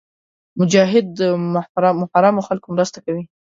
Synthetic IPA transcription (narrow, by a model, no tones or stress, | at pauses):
mʊd͡ʒɑɦɪd̪̚ːəmɾɑmʊhaɾɑmoxalkomɾəst̪akawi